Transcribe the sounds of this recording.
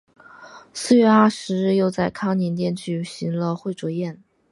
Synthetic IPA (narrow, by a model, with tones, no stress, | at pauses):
sɹ̩˥˧ɥɛ˥˧a˥˩ʂɻ̩˧˥ɻɻ̩˥˧jo˥˧ʊt͡sa˥˩ɪkʰɑ˥ŋnɛ˧˥nt̪jɛ˥˧nt͡ɕʰy˥˨˩ɕi˧˥ŋlə˧xwe˥˩ɪʈ͡ʂwɔ˧˥jɛ˥˩n